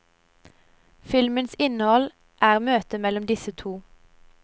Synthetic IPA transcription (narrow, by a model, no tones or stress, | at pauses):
fɪlmənsɪnəhɔl | ʔæːʁmøːt̪əmɛlɔmd̪ɪsət̪ʰuː